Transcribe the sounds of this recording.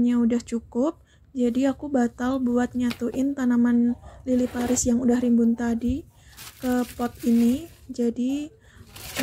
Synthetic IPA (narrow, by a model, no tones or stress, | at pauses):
ɲaudaht͡ʃukʊp̚ | d͡ʒadiakubat̪albuat̪̚ɲat̪uʔɪnt̪anamanlilipaɾɪsjaŋudahrimbʊnt̪adi | kəpɔt̪̚ini | d͡ʒadi